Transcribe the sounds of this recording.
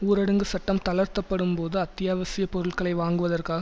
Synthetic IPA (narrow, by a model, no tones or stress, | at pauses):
uːɾɐɽɯŋɡɯsɐʈːɐmt̪ɐlɐɾt̪ɐpːɐɽɯmpoːðɯɐt̪ːɪjaːʋɐsɪjɐpɔɾɯɭkɐɭɐɪʋaːŋɡɯʋɐðɐrkaːɣ